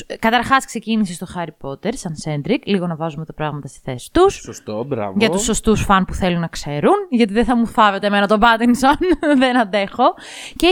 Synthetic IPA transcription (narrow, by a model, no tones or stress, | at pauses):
kɐt̪ɐɾxɐskse̞cinisist̪o̞xɐɾipo̞t̪eɾsɐnse̞nd̪ɾikliɣo̞nɐvɐzumet̪ɐpɾɐɣmɐt̪ɐst̪i̥θe̞si̥t̪ussost̪obɾɐ̰vʝɐtt̪usːo̞st̪usfɐnpuθe̞lunːɐkse̞ɾunʝɐt̪iðeθɐmuθɐve̞t̪eme̞nɐt̪o̞bɐt̪insonðenɐnd̪e̞xo̞ | ce